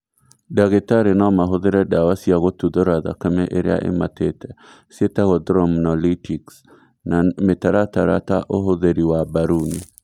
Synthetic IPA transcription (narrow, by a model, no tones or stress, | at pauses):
daɣetaɾenɔmaɦoðeɾɛdawasiaɣotuðoɾaða̰kamɛʔeɾḛa̰ʔḛmatetɛ | sietaɣɔdɾɔmnɔlitʰiks | nametaɾataɾa̰taʔoɦoðeɾiwabaɾunḭ